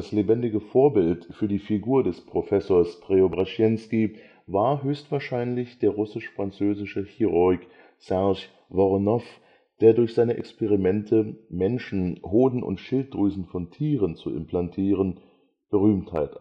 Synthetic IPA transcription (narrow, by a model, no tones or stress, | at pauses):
aslebɛndɪɡəfoːɐbɪltfyːɐdiːfiɡuːɐdɛspʁ̥ofɛsoːɐspʁ̥eobʁaʃjɛnski | vaːɐɦøːçstv̥aːɐʃaɪnlɪçd̥eːɐʁʊsɪʃfʁ̥ant͡søːzɪʃəhiʁoɪk | sɛɐʃ | vɔʁnɔf | d̥eːɐdʊɐçz̥aɪnəʔɛ̰kspɛʁimɛntʰəmɛnʃn̩hoːdn̩ʔʊ̰ntʃɪlt̚d̥ʁyːzn̩fɔntʰiːʁənt͡suʔɪ̰mplantʰiːʁ̞ən | b̥əʁ̞yːmtha̰ɪt